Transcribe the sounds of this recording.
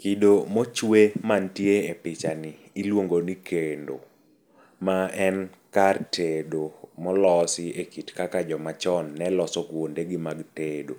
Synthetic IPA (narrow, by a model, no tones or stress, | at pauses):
kidomot͡ʃwemantjeepɪt͡ʃaniːlwoŋɡonikʰendo̰ | maɛn | kartʰedomɔlɔsɪekitkakad͡ʒɔmat͡ʃɔnːɛlɔsɔkwondeɡɪmaɡtedo̰